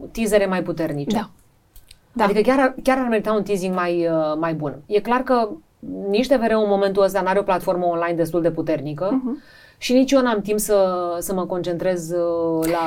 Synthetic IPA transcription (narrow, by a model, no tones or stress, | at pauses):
t̪ize̞ɾe̞majput̪e̞rnit͡ʃe | d̪ad̪ikəkʲaɾakʲaɾarme̞ɾit̪aunt̪iziŋɡmajəmajbunje̞klarkə | niʃt̪e̞ve̞ɾeunmo̞me̞nt̪uəs̬t̪anaɾeo̞plat̪fo̞rməonlajnd̪e̞s̬t̪uld̪e̞put̪e̞rnikə | ʃinit͡ʃjo̞namt̪impsəsəməko̞nt͡ʃe̞nt̪ɾe̞zla